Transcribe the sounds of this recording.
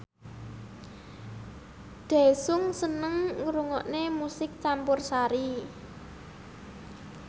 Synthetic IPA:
d̪̥ɛ̤sʊŋsənəŋŋuɾuŋɔʔnemusɪk̚t͡ʃampʊrsaɾi

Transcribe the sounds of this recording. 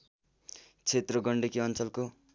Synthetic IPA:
t͡sʰet̪rʌɡʌɳɖekiʌnt͡sʌlko

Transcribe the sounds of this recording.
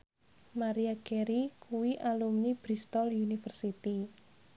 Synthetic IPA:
maɾiakɛɾikuwiʔalumnib̥ɾist̪ɔljunifərsit̪i

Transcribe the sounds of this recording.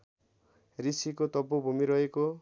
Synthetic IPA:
ɾisikot̪ɔbobʱumiɾʌeko

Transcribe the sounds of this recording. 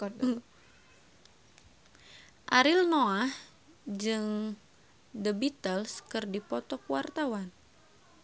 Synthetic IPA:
ʔaɾilnoah | d͡ʒɨŋ | dəbit̪əlskɨrdipɔt̪ɔkuwart̪awan

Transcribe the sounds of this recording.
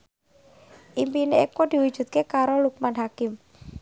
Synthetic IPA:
ʔimpineekod̪̥i̤wud̥ʒ̥ṳt̪̚kekaɾoluk̚manɦakɪm

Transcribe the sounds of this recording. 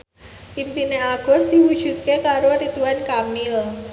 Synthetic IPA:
ʔinp̪ineaɡ̥ɔ̤sd̪̥i̤wud̥ʒ̥ṳt̪̚kekaɾoɾit̪uankamɪl

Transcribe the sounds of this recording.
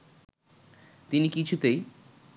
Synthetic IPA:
t̪inikit͡ɕʰut̪ej

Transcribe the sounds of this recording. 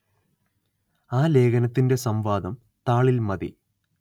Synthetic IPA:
aːle̞ːɡɐnɐt̪ːinde̞sɐmʋaːd̪ɐm | t̪aːɭilmɐd̪ḭ

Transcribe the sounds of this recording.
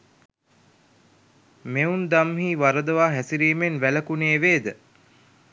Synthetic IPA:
meund̪amɦiːʋaɾəd̪əʋaːɦɛsiɾiːmenʋæləkuneːʋeːd̪ə

